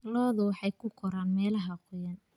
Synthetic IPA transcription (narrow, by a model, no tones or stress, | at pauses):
lɔːðʊwɑħɑjkʰʊqʰɔɾaːnmɛːlɐɦɐqʊjɐn